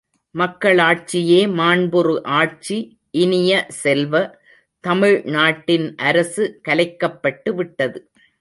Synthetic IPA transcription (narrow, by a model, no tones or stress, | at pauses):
mɐkːɐɭaːʈ̚t͡ʃɪjeːmaːɳbɯɾɯʔaːʈ̚t͡ʃi | ʔɪnɪjɐsɛlʋɐ | t̪ɐmɪɻnaːʈːɪnʔɐɾɐsɯkɐlɐɪkːɐpːɐʈːɯʋɪʈːɐðɯ